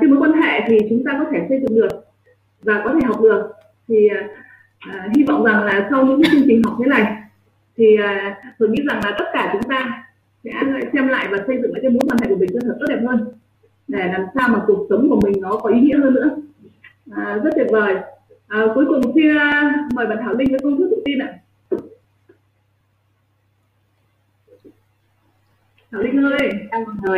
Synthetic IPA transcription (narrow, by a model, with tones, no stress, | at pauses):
e˧mo˨˦jkwa˧nɦḛ˧˨t̪ʰi˨˩t͡ɕʊ˨˦ŋ͡mt̪aː˧kɔ˨˦t̪ʰe˧˩sə˧jzɨ̰˧˨ŋɗɨ˨˩ək̚ | vaː˨˩kɔ˨˦t̪ʰe˧˩ɦwk͡p̚ɗɨ˨˩ək̚ | t̪ʰi˨˩˨ | ʔːɦi˧vɔ̰˧˨wŋ͡mza˨˩ŋlaː˨˩sa˧wɲɨ̰˧˥ŋk̬aː˨˦t͡ɕɨ˧əŋt͡ɕï˨˩ŋ̟ɦa˨˩k͡p̚t̪ʰe˨˦la̰ː˧˨j | t̪ʰiː˨˩˨t̪ʰoː˧˩jɲḭ˧˥za˨˩ŋlaː˨˩t̪ə˦˥t̚kaː˧˩t͡ɕʊ˨˦ŋ͡mt̪aː˧ | sɛ̰˧˥la̰˧˥sɛ˧mla̰ː˧˨jvaː˨˩sə˧jzɨ̰˧˨ŋʔaː˧˨˩mo˨˦jkwa˧nhḛ˧˨kəmï˨˩ŋt͡ɕ̪ə˧t̪ʰə˨˩to˦˥t̚ɛ˨˩phɦəː˧n | ɗe˧˩laː˨˩msaː˧wmaː˨˩ku˨˩ək̚sə˨˦wŋ͡mku˧˩əmï˨˩ŋ̟nɔ˨˦kɔ˨˦ʔi˨˦ŋḭ˧˥əhəː˧nːɨ̰˧˥ə | ʔəː˨˩zə˦˥t̚t̪ʰi˨˩vəː˨˩j | ʔəː˨˩ku˨˦jkʊ˨˩ŋ͡msiː˧məː˨˩jɓaː˨nt̪ʰaː˧˩wlï˧ŋ̟vəː˨˦jkə˧wŋ͡mk̪ɨ˦˥k̚ɗ̪wt̪i˧nʔa̰ː˧˨ | t̪ʰaː˧˩wlï˧ŋ̟həː˧jʔɗaː˧a˨˩nəː˨˩j